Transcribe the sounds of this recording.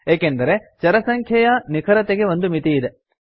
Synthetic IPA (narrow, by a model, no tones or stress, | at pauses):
eːkend̪ɐɾe̞t͡ʃɐɾɐsɐŋkʰjɐjɐnikʰɐɾɐt̪eɡe̞ʋo̞nd̪umit̪iːd̪e